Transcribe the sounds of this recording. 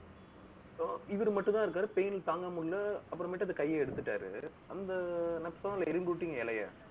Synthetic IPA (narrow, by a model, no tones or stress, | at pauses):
ɪʋɐɾɯmɐʈːnãːɪɾɯkːaːɾɯpejnɪlt̪aːŋɡɐmʊɽlɐɐpːɯɾɐ̃mɐʈːɐðɐkɐjːɐɛɽɯt̪ːɯʈːa̰ːɾɯ̰ | ɐnd̪ɐnɐpsaːnɪlɐɛɾɪmbuɽʈːiːŋɡɐɪlɐja̰ː